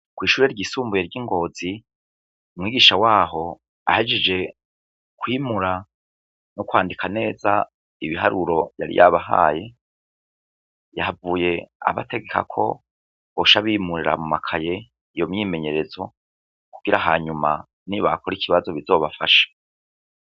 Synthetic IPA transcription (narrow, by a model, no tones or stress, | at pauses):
kwiːʃuːɾe̞ɾɟiːsuːmbujeɾɟiŋɡo̞ːz̥i | umŋiːɡiʃawaːɦo̞ | ahed͡ʒed͡ʒe̞ | kwiːmuɾa | nokwaːndikʰane̞ːza | iβiɦaɾuɾo̞jaɾḭjʔa̰βaɦa̰ːje̞ | javuːje̞a̰βa̰te̞ɡe̞kʰa̰kʰo̞̰ | oʃaβimuɾiɾa̰mumakʰaje̞ | ijo̞mɲiːme̞ɲe̞ɾe̞zo̞ | kuɡ̥iɾaɦaːɲuma̰ | niβakoɾikʰiβazo̞βizo̞ːβafaʃḁ